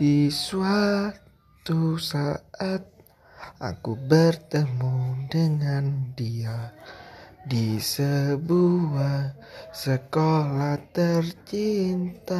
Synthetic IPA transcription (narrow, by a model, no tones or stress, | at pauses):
isua | t̪usaʔat̪̚ | ʔa̰kubərt̪əmudəŋandia | disəbua | səkolaht̪ərt͡ʃint̪a